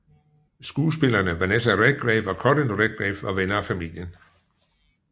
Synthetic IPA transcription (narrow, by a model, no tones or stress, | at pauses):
sɡ̥uːsb̥e̝lɐːnəʋɑnesæʁeɡ̥̚ɡ̥ʁɛʋɒkʰɒɾ̥ənʁeɡ̥̚ɡ̥ʁɛfɒʋenɐːfæmḭl̰jən